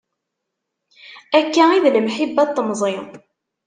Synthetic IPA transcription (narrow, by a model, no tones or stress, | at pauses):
ækːæiðləmħibːæt̪ˤːəmzˤi